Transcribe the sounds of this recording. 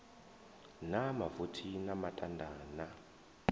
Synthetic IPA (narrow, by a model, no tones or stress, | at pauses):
namavutʰinamatʼandʱaːna